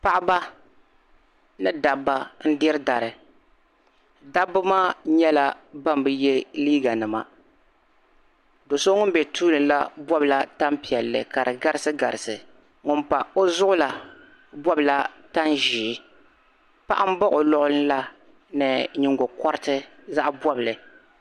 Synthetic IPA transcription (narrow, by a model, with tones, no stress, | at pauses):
pa˦˨ʔɪ˦ba˦ | nɨ˦da˨bːa˦n̩˦dɪ˦ɾɨ˦da˨ɾɨ˨ | da˦bːɨ˦maː˦ɲɛ˦la˦ba˦m˨bɨ˦jɛ˦liː˦ɡa˨nɨ˨ma̰˨ | do˨so˦ŋʊ˦m˦bɛ˨tʰuː˦lɨ˨nla˦bɔ˦bla˦ta˦mpi˨ɛ˨lːɨ̰˨ka˨ɾɨ˨ɡa˦ɾɨ˦sɨ˦ɡa˨ɾɨ˨sɨ˨ | ŋʊ˨mpa˨o˦zʊ˦ʔʊ˦la˨ | bɔ˦bɨ˨la˦ta˦nʒiː˨˦ | pa˦ʔa˦m̩˦bɔ˦ʔo˨lɔ˦ʔʊ˦lɨ˦n˦la˦ | nɨ˨ɲɪ˨ŋɡo˨kɔ˦ɾɨ˦tɨ˦za˦ʔbɔ˦blɨ˨